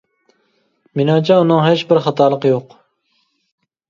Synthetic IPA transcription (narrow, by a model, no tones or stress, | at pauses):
minɑŋt͡ʃʰɛunɨŋɦet͡ʃbɪɾχɑt̪ʰɑɾlˠəqjoq